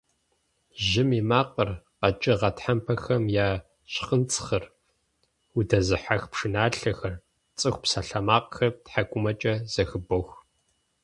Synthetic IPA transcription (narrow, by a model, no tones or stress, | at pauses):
ʒɪmimaːqʼərqɐt͡ʃʼɪʁɐtħampʰɐxɐmjaː | ɕqənt͡sʼxɐr | udɐzɨħaxpʂɨnaːɬɐxɐr | t͡sʼɨxʷpsɐɬɐmaːqxɐtħaɡʷʼʊmɐt͡ʃʼɐz̥ɐxɨbox